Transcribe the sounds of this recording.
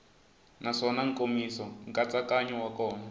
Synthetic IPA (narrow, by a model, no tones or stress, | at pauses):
naʂɔnaŋ̩komisɔŋkʼat͡sakaɲɔwakɔːna